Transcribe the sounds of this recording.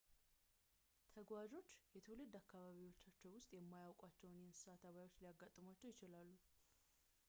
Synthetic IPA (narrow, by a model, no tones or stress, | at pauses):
t̪ʰəɡwad͡ʒo̞t͡ʃːjɛt̪ʰulɨd̪ːakːaβaβiwo̞t͡ʃːat͡ʃːɛwwʊst̪ʼjɛmːajawkʼat͡ʃːɛwnjɛnsɨ̥sat̪ʰaβajwo̞t͡ʃːlijaɡːat̪ʼːɨmwat͡ʃːɛwjɪt͡ʃɪlalːu